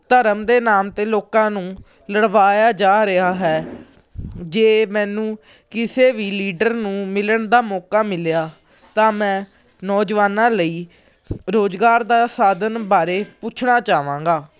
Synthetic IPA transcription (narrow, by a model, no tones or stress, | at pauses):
t̪əɾəmd̪eːnaːmt̪eːloːkãːnũː | ləɽʋaːjaːd͡ʒaːɾɪɦaːɦɛː | d͡ʒeːmɛ̃ːnũː | kɪseːʋiːliːɖəɾnũːmɪləɳd̪aːmɔːkaːmɪlejaː | t̪ãːmɛ̃ː | nɔːd͡ʒʋaːnãːləiː | ɾoːd͡ʒɡaːɾd̪aːsaːd̪ənbaːɾeːput͡ʃʰɳaːt͡ʃaːʋãːŋɡaː